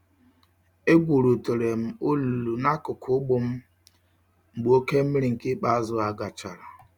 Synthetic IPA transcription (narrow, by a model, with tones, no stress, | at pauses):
e˦ɡʷu˨ɾu˨to˨ɾe˨m̩˨o˦lu˨lu˨na˦kʊ˨kʰʊ˦ɡ͡bʊ˦m̩˦ | ŋ͡m̩˨ɡ͡bu˨o˦ke˦m̩˦mi˦ɾi˨ŋ̩˨kɪ˦k͡pa˦zʊ˦a˨ɡa˨t͡ʃa˨ɾa˨